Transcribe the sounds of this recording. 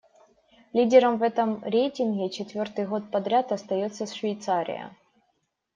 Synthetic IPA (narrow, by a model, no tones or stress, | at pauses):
lʲidʲɪɾəmvɛt̪əmɾʲejtʲɪnɣʲɪt͡ɕɪt̪vʲo̞rt̪ɨjɣo̞t̪̚pɐd̪ɾʲat̪ɐst̪ɐjo̞t̪sːəsʂvʲɪjt̪saɾʲɪ̰jə̰